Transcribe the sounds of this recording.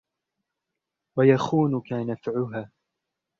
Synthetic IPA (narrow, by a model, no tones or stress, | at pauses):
wajaxuːnʊkanafʕʊɦaː